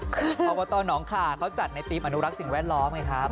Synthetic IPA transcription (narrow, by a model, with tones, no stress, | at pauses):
ɔː˧pɔː˧t̪ɔː˧nɔː˩˦ŋkʰaː˨˩kʰa˦˥wt͡ɕa˨˩t̪̚na˧jt̪iː˦˥m̚ʔa˧nu˦˥ɾa˦˥k̚si˨˩ŋwɛː˥˩t̪̚lɔː˦˥mŋa˧˥jkʰa˦˥